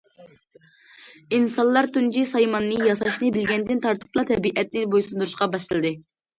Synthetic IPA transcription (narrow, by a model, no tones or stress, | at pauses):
insɑnlˠɑɾt̪und͡ʒisɑjmɑnːɨjɑsɑʃnɨbɪlɡʲɛnd̪ɪnt̪ʰɑɾt̪ʰɨ̥plˠɑt̪ʰɛbiʔɛt̪nɪbojsund̪uɾuʃqɑbɑʃt̪ɨlˠɨd̪ɨ